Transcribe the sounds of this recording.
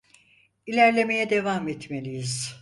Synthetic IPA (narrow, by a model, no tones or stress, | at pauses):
ilʲæɾlʲe̞me̞jɛd̪e̞vamɛt̪melʲijiz̥